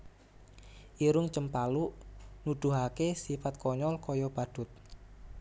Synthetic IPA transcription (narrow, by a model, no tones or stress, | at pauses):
ʔiɾʊŋt͡ʃəmpaluʔnuɖ̪̥ṳɦakesifat̪̚kɔɲɔlkɔjɔb̥a̤d̪̥ʊ̤t̪̚